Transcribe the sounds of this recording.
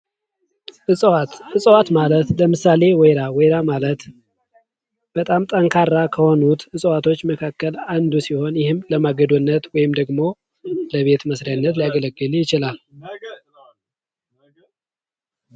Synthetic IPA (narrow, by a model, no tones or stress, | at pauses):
ɨɨsʼwat̪malət̪ləmɨsale̞wɛjɾawɔjɾamalət̪ | b̥ət̪ʼamt̪ʼəŋkʰarːakʰəho̞nut̪ɨsʼwat̪ʰo̞t͡ʃːməkʰakːəland̪usiho̞njɪhɨmləmaɡəd̪onːət̪wɔjɪmd̪əɡmo̞ | ləβe̞t̪məsɾijanːət̪lijaɡələɡːɨljɪt͡ʃɪlal